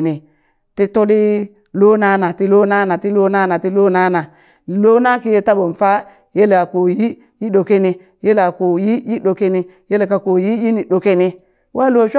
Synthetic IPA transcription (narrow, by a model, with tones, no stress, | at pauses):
ni˨ | ti˦to˦li˦ | lo˦na˦na˨ti˦lo˦na˦na˨ti˦lo˦na˦na˨ti˦lo˦na˦na˨ | lo˦na˦ki˦je˦ta˦bo˨n˨fa˦ | je˦la˨ko˨ji˦ | ji˦ɗo˨ke˦ni˦ | je˦la˨ko˨ji˦ji˦ɗo˨ke˦ni˦ | je˦le˨ka˨ko˨ji˦ji˦ni˨ɗo˨ke˦ni˦ | wa˦lo˨ʃʷ